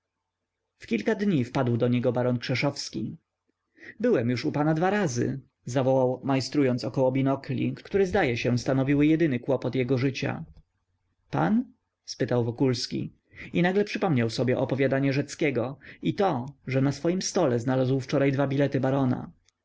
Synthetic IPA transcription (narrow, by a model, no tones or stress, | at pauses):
fkʲilkad̪ɲifpad̪wd̪ɔɲɛɡɔbaɾɔnkʂɛʂɔfskʲi | bɘwɛmjuʂupanad̪vaɾazɘ̰ | zavɔwawmajst̪ɾujɔnt̪sɔkɔwɔbʲinɔklʲḭkkt̪uɾɛzd̪ajɛɕɛst̪anɔvʲiwɘjɛd̪ɘnɘkwɔpɔt̪jɛɡɔʐɘt͡ɕa̰ | pa̰n | spɘt̪awvɔkulskʲḭ | inaɡlɛpʂɘpɔmɲawsɔbʲjɛʔɔpɔvʲjad̪aɲɛʐɛt̪skʲɛɡɔit̪ɔʐɛnasfɔjimst̪ɔlɛznalazwft͡ʂɔɾajd̪vabʲilɛt̪ɘbaɾɔna̰